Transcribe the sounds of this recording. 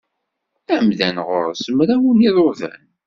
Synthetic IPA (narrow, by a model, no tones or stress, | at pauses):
æmðænʁʊ̰ɾˤsəmɾawniðˤʊvæ̰n